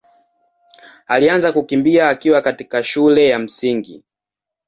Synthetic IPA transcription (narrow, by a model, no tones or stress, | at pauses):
alianzakukimbiaːkiwakatikaʃulɛjam̩siŋɡi